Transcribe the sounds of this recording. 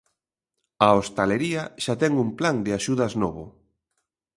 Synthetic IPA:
aost̪aleɾiaʃat̪ɛŋumplaŋd̪ɪaʃuðɐznoβʊ

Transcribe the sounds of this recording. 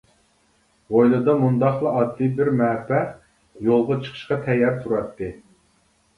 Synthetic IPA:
ʁojlˠɨd̪ɑmund̪ɑχlˠɨɑd̪ːibɪɾmɛːpɛ | jolˠʁɑt͡ʃʰə̥qʰə̥ʃqɑt̪ʰɛjːɑɾt̪ʰuɾɑt̪ʰːɨ

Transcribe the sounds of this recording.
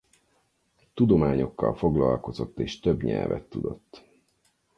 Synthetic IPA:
t̪ud̪o̞maːɲo̞kːɒlfo̞ɡlɒlko̞zo̞t̪ːeːʃt̪øbɲɛlvɛ̰t̪ːud̪o̞t̪ː

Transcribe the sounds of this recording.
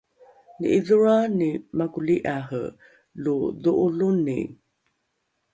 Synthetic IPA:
nḭʔiðuɹanimakuliʔaɦə̰ | luðuʔulunḭ

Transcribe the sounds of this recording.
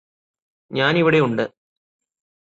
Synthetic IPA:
ɲaːniʋiɽejuɳɖɨ

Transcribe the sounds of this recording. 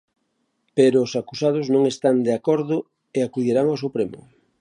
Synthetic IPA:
peɾoːsakusað̞ʊznõŋest̪and̪eakoɾðʊ | eakuðjiɾaŋawsupɾemʊ̰

